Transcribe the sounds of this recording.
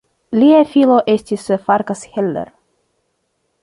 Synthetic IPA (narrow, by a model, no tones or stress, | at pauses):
lʲiefilˠoʔesʲt̪ʲisfaɾkasheldḛɾ